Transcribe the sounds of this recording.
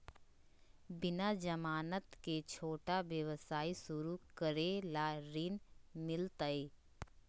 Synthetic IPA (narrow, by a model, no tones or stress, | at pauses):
bɪnad͡ʒəmaːnət̪ket͡ʃʰoːʈaʋjəʋəsaːisʊɾukəɾelaɾiːnmɪlt̪əi